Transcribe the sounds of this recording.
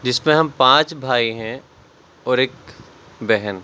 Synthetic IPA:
d͡ʒɪsmẽɦɐmpãːt͡ʃbʱaːiɦɛ̃ | ɔːɾeːk | bɛɦən

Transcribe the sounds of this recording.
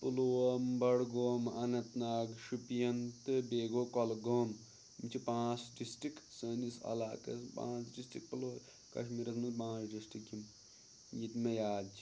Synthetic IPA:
pɨloːɐmbɐɽɡoːmɐnɐt̪naːɡʃupijɐnt̪ɨbeːɡokɔlɡoːm | mit͡ʃʰipãːt͡sɖisʈɾiksəːnisɐ̰laːkɐspã̰ːt͡sɖisʈik̚puloː | kɐ̰ʃmiɾɐsmɐtpãːt͡sɖisʈikjim | jit̪mejaːd̪t͡ʃʰi̥

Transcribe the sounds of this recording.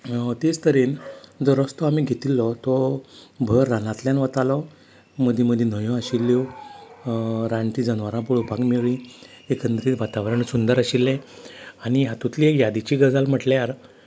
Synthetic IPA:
t̪ed͡zt̪əɾind͡zɔɾəst̪ɔamiɡʱet̪ilːɔt̪ɔbʱəɾːanat̪ljanʋət̪alɔ | məd̪ʱiməd̪ʱjen̤əjõaɕilːew | ɾãɳʈiːd͡zənʋaɾãpuɭopakmeɭĩ | ekʰənd̪ɾiːt̪ʋat̪aʋɾəɳsund̪əɾaɕilːɛ̃aɽ̃iɦat̪ut̪liekjad̪it͡ɕiːɡəd͡zalm̤əʈljaɾ

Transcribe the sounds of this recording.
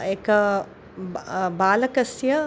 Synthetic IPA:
eːk | baːləkəsjə

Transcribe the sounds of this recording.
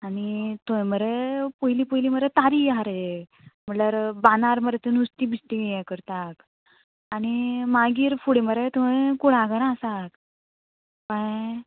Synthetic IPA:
anit̪uẽməɾepəɦiliːpəɦiliːməɾet̪aɾiɦaɾe | m̤əʈlaɾbanaɾməɾet̪ənust̪ibist̪iɛkəɾt̪ak | añimaɡiːɾfuɽiməɾet̪uekuɽaɡəɾasak | pə

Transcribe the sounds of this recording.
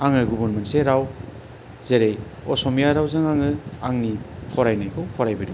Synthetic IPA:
aŋɯɡubunmanseɾaw | zeɾej | ɔsɔmijaɾawzaŋaŋɯaŋnikʰɔɾajnajkʰɯwkʰɔɾajbidu

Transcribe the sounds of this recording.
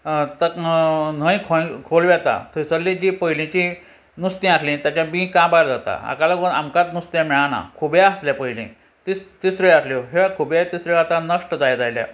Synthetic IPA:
t̪əkn̤əjkʰõkʰolʋɛt̪a̰t̪ʰəisəɾlĩd͡ʑipəilẽt͡ɕi | nust̪ĩaslĩt̪at͡ɕjãmĩkãbaɾd͡zat̪a̰a̰kalaɡuna̰mkãt̪nust̪jãmɛɭana̰kʰubjaəsljapəjlḛ̃ | t̪ist̪isɾəɭjasljoɦeakʰubjat̪isɾəɭat̪anəʂʈəd͡zajad͡zajlja̰

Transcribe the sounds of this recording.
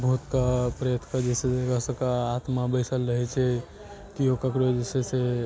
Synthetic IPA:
bʱɦut̪kapɾəjət̪ʰkad͡ʒeseekəsəkaːt̪mabəɪsəlɾəɦɛt͡ʃʰɛ | t̪iokəkɾod͡ʒesese

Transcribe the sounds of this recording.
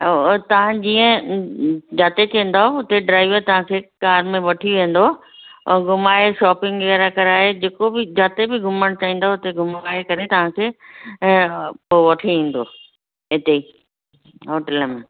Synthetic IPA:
t̪ɐʋ̤ãd͡ʑiːə̃ | d͡ʑaːt̪et͡ɕɐ̃ɦĩn̆d̪aːɦoʊt̪eɖɾaːɪʋəɾt̪ɐʋ̤ãkʰeːkaːɾmẽʋɐʈʰiʋẽːn̆d̪õ̰ː | ɡʱʊmaːeʃɔːpɪ̃ŋɡʋɛːɾakɐɾaːɦed͡ʑeːkobɪd͡ʑaːt̪ebɪɡʱʊməɽ̃t͡ɕaːĩːnd̪aɦoʊt̪eɡʱʊmaːekɐɾet̪ɐʋ̤ãkʰeː | poʋɐʈʰeĩːn̆d̪oː | ɦɪt̪ei | ɦoːʈɛlmẽ

